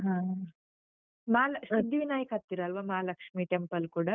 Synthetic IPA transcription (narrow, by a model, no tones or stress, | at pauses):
ɦãː | maːlɐsɐnd̪iʋinaːjɐkɐt̪ːiɾɐɐlʋaːmaːlɐkʂmiːʈempɐlkuːɽɐ